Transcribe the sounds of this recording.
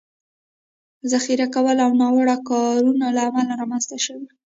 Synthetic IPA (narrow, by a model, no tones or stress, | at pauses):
zaxiɾakawəlawnɑwəɽakɑɾunalaːmalaɾɑmanz̥t̪aʃəwi